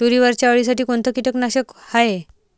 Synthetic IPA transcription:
tuɾiʋəɾt͡ɕjaəɭis̬aʈiːkont̪okiʈəknaɕəkhaje

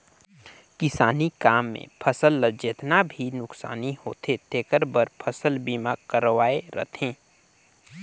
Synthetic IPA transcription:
kɪsaːnikaːmːḛ̃pʰəsəlːəd͡ʒeːt̪nabʱinʊksa̰ːniho̰ːt̪ʰet̪eːkəɾbəɾpʰəsəlbiːmakəɾʋaːeɾə̰t̪ʰẽː

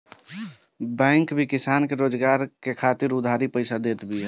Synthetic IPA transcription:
bɛ̃ːŋkbʱikɪsaːnkeɾoːd͡ʒɡaːɾkekʰat̪ɪɾʊd̪ʱaːɾipəɪsad̪eːt̪bʱiɛ

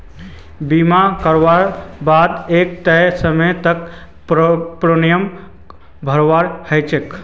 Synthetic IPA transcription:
bimakəɾʋaɾbad̪ek̚t̪əsəmət̪ək | pɾonijəm | bʱəɾwaɾhəjt͡ʃek

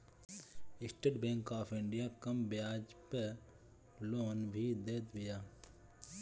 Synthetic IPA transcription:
ɪsʈeɖbẽːŋkaːpʰɪ̃ɳɖijaːkɐmbjaːd͡ʒpe | loːnbʱid̪eːt̪bɪjaː

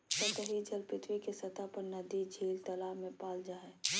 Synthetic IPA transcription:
sət̪əɦid͡ʒɐlpɪt̪ʰwikesɐt̪apɐɾnɐd̪id͡ʒʱiːlt̪ɐlaːmẽpaːld͡ʒaːe

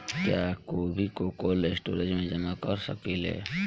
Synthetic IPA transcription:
kjakoːbʱikokolesʈoːɾed͡ʒmẽd͡ʒəmakəɾsəkilḛː

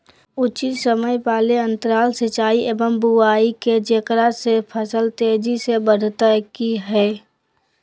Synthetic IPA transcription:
ʊt͡ʃisəməjpaːleə̃nt̪əɾaːlsɪt͡ʃaːieːʋəmbuaːiked͡ʒekɾasepʰəsəlt̪eːd͡ʒisebəɽʱt̪əkiɦɛː

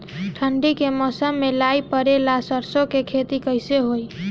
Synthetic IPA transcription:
ʈʰəɳɖikemɔsəmːelajpəɾelasəɾsokekʰet̪ikəjseɦoj

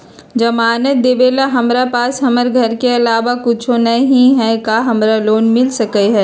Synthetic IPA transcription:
d͡ʒɐmaːnət̪̚d̪eːʋeːlaɦɐmɾapaːsɦɐməɾɡʱɐɾkeɐlaːʋakʊt͡ʃʰõnɐɦĩɦɛkaɦɐmɾaloːnmɪlsɐkeɦɛː

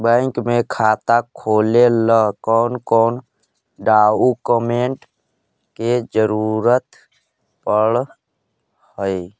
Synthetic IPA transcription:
bə̃ŋkmẽkʰaːt̪akʰoːleləkɔːnkɔːn | ɖaːukəmeɳʈ | ked͡ʒəɾuːɾət̪ | pəɽ | həi

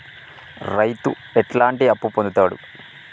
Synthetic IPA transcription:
rɐjt̪ːu | eʈlaːɳʈiɐpːupond̪ut̪ːaːɽṵ

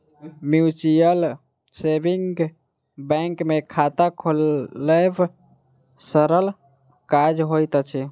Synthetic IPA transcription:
mjut͡ʃijəl | sebiŋɡ | bɛ̃ŋkmekʰat̪akʰolːəb | səɾəl | kad͡ʒɦojt̪t͡ʃʰi

